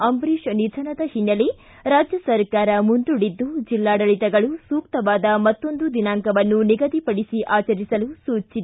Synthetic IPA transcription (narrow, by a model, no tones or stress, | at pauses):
ɐmbɾiʃnid͡ʒʱɐnɐd̪ɐhinːɐle | ɾaːd͡ʒjɐsɐɾkaːɾɐmund̪uɽid̪ːud͡ʒilːaːɽɐɭit̪ɛɡɐɭusuːk̚t̪ɐʋaːd̪ɐmɐt̪ːo̞nd̪ud̪inaːŋkɐʋɐnːuniɡɐd̪ipɐɽisiʔaːt͡ʃɐɾisɐlusuːt͡ʃːid̪e